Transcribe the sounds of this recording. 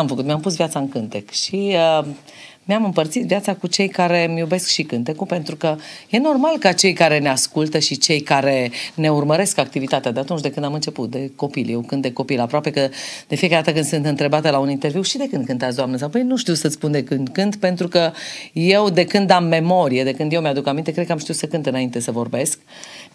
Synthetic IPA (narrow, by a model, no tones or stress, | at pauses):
amfəkut̪mʲeampusvijat̪saɨŋkɨnt̪e̞kʃiə | meamɨmpərt̪sit̪vjat̪sakut͡ʃe̞jkaɾe̞mjube̞skʃikɨnt̪e̞kupe̞nt̪ɾukəje̞no̞rmalkət͡ʃe̞jkaɾe̞neaskult̪əʃit͡ʃe̞jkaɾe̞ne̞urməɾe̞skak̚t̪ivit̪at̪ead̪eat̪unt͡ʃd̪e̞kɨnd̪amɨnt͡ʃe̞put̪̚d̪e̞ko̞piljewkɨnt̪̚d̪e̞ko̞pilapɾoape̞kəd̪̥e̞fiekaɾed̪at̪əkɨnd̪sɨnt̪ɨnt̪ɾe̞bat̪əlaunint̪e̞ɾviwʃid̪e̞kɨnd̪̚kɨnt̪asd̪oamnəsawpəjnuʃt̪iwsət̪sspund̪e̞kɨnd̪kɨnt̪pe̞nt̪ɾukəje̞wd̪e̞kɨnd̪amːe̞mo̞ɾijed̪e̞kɨnd̪jewmead̪ukamint̪ekɾekəamʃt̪iut̪səkɨnt̪ɨnaint̪e̞səvo̞rbe̞sk̚